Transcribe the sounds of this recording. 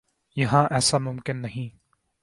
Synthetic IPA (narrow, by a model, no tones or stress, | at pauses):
jɐɦãːʔɛːsamʊmkɪnːɐɦĩː